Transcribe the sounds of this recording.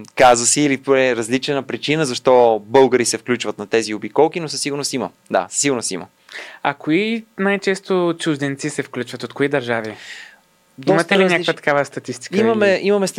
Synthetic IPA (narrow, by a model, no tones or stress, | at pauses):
kazvəsiːlipɾɛɾɐzlit͡ʃɛnəpɾit͡ʃinəzɐʃt̪ɔbɤlˠɡəɾisɛfklʲut͡ʃvət̪nɐt̪ɛziobikɔlˠkinosɐsiɡʊɾnosimə | d̪a̰sə̥siɡʊɾnosḭmə̰ | ɐkoinajt͡ʃɛst̪ot͡ʃuʒd̪ɛnt̪sisɛfklʲut͡ʃvət̪ot̪koid̪ɐɾʒavi | imt̪ɛliɲʲakvət̪ɐ̥kavəst̪ɐt̪ist̪i̥kimɐmɛʔimɐmɛst̪